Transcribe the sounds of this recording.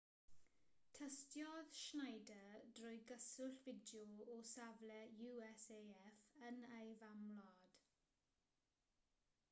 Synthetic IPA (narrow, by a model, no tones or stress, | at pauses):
tʰəstjɔðʃnajdəd̥rʊjɡəsʊɬvɪdjɔɔsavlɛjuːɛsejɛfənejvamlɔd̥